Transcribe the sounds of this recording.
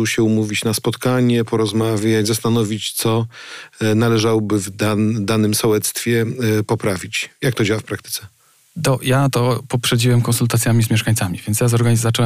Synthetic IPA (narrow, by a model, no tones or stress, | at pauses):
uwɕɛumuvʲit͡ɕnaspɔt̪kaɲɛpɔɾɔzmavʲjat͡ɕzast̪anɔvʲit͡ɕt̪sɔ | nalɛʐawɔbɘvd̪ad̪anɘmsɔwɛt̪st̪fʲjɛpɔpɾavʲit͡ɕjak̚t̪ɔd͡ʑawafpɾakt̪ɘ̥t̪sɛ | d̪ɔjat̪ɔpɔpʂɛd͡ʑiwɛmkɔnsult̪at̪sʲjamʲizmʲɛʂkaɲt̪samʲivʲjɛnt̪sjazɔɾɡazat͡ʂɛwɛ